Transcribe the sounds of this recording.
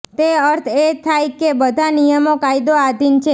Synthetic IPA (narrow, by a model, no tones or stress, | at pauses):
t̪eəɾt̪ʰet̪ʰajkebəd̪ʱanijəmokajd̪oad̪ʱint͡ʃʰe